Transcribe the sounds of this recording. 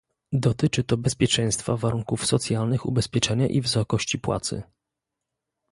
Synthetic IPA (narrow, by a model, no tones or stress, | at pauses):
d̪ɔt̪ɘt͡ʂɘt̪ɔbɛspʲjɛt͡ʂɛ̃j̃st̪favaɾuŋkufsɔt̪sʲjalnɘxṵbɛspʲjɛt͡ʂɛɲaʔivsɔkɔɕt͡ɕipwa̰t̪sɘ̰